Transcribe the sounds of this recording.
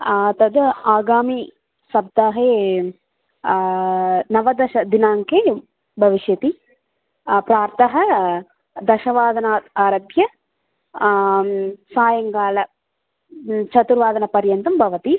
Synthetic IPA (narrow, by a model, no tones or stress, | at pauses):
t̪ɐd̪aːɡaːmi | sɐb̚d̪aːɦeː | nɐʋɐd̪ɐʃɐd̪inaːŋkeː | bʱɐʋiʃjɐt̪i | pɾaːɾt̪ɐɦɐ | d̪ɐʃɐʋaːd̪ɐnaːt̪aːɾɐd̪ʱjɐ | saːjɐŋɡaːlɐ | t͡ʃʰɐt̪uɾʋaːd̪ɐnɐpɐɾjɐnt̪ɐmbʱɐʋɐt̪i